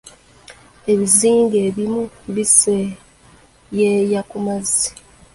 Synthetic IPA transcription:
e̞βiziːŋɡe̞βimu | βise | jejakumazi̥

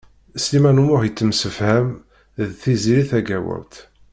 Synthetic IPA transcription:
slimænumʊʁjət͡sːəmsəfhæm | ðθiziɾiθæɡæwə̰ɾt̪

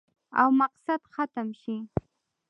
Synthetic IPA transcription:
a̰wmɑqsat̪hat̪amʃɪ

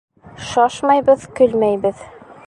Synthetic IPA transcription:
ʃɑʃmɑjbɤðkɵ̆lmæjbɘð

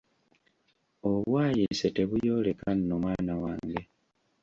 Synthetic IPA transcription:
o̞βwaːjisete̞βujo̞ːle̞kannomwaːnawaːŋɡe

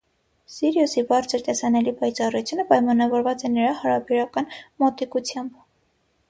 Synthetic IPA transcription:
sɛɾjusibɑɾt͡sʰəɾt̪ɛsɑnɛlipɑjt͡sɑrut͡sʰjunəpɑjmɑnɑvɔɾvɑt͡sɛnəɾɑhɑɾɑbɛɾɑkɑnmɔt̪ɛkut͡sʰjɑmb

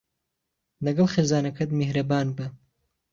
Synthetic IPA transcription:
lɐɡɐlˠxeːzaːnɐkʰɐt̪mehɾɐbaːnbɐ

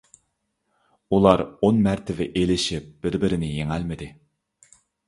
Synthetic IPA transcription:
ulˠɑɾonmæɾt̪ʰɪvɪʔelɪʃɪp̚b̥ɪɾbɪɾɪnɪjeŋælmɪd̪ɪ

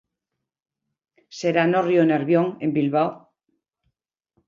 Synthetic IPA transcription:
seɾanorjoneɾβjoŋe̞mbilβaw

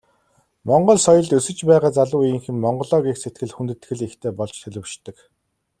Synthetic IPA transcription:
mɔɴɢɞ̆ɮsɔjɞ̆ɮt̪ɵsɵ̆t͡ɕpæːʁaːt͡saɮʊːiŋxɘ̆mmɔɴɢɞ̆ɮɔːɣikset̪̚ɡɘ̆ɮxunt̪ɘ̆t̪ɡɘ̆ɮixt̪ʰeːpɔɮt͡ɕt̪ʰɵɮʲɘ̆wʃt̪ːɘ̆k

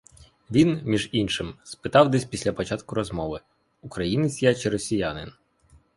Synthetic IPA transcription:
ʋʲinmʲiʒinʃɪmspɪt̪ɑwd̪ɛsʲpʲisʲlʲɐpɔt͡ʃɑt̪kʊɾɔzmɔʋɪ | ukɾɐjinɪsʲjat͡ʃɪɾɔsʲijanɪn

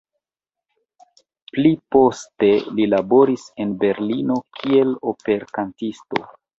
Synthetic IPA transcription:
plipo̞ste̞lilabo̞ɾise̞nbe̞ɾlino̞kʰie̞lo̞pe̞ɾkantisto̞̰

